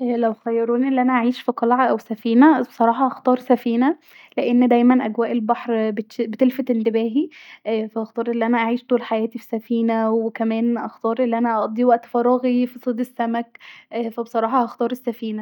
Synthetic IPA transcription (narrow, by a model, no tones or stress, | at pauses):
ʔlæwxæjːɑɾuːniʔelːiʔænæʔaʕiːʃfiqɑlʕɑʔæwsæfiːnæbesˤɑɾˤɑːħɑʔɑxt̪ˤɑːɾˤsæfiːnæ | leʔenːd̪æjmænʔæɡwæːʔelbɑħɾbebet̪elfæt̪ʔent̪ebæːɦifæʔɑxt̪ɑːɾˤʔelːiʔænæʔaʕiːʃt̪oːlħajæːt̪ifi̥sæfiːnæwekæmæːnʔɑxt̪ɑːɾˤʔelːiʔænæʔɑʔd̪ˤiwæʔt̪fɑɾˤɑɣifisˤed̪esːæmækːfæbesˤɑɾˤɑːħɑʔɑxt̪ɑːɾˤesːæfiːnæ